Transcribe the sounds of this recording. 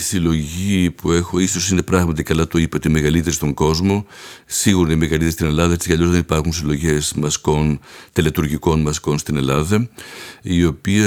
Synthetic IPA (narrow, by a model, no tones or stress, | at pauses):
isilo̞ʝipue̞xo̞iso̞sine̞pɾɐɣmɐt̪ikɐlɐt̪o̞ipɐoime̞ɣɐlit̪e̞ɾist̪o̞ŋɡo̞zmo̞siɣuɾɐimeɣɐlit̪eɾist̪ine̞lɐðɐet͡si̥kɐʎo̞zðe̞nipɐɾxuns̬ilo̞ʝe̞smɐsko̞nt̪elet̪uɾʝiko̞nmɐsko̞nst̪ine̞lɐðɐ | io̞piɐ